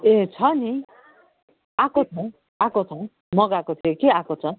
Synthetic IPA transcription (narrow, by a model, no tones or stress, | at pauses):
et͡sʰʌni | akot͡sʰʌw̃ | akot͡sʰʌw̃ | mʌɡakot̪ʰijokeakot͡sʰʌ